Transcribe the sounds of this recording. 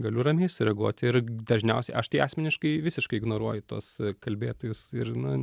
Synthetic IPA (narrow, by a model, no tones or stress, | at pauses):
ɡɐlʲʊɾɐmʲeːsʊɾʲɛɡuɔt̪ʲɪrd̪ɐʒʲnʲɛʊsʲɛɪʔɐʃt̪ʲiːɑːsʲmʲɛnʲɪʃkɐɪʋʲɪsʲɪʃkɐɪɪɡnoːɾuɔjʊt̪uɔskɐlʲbʲeːt̪oːjʊsɪrnʊ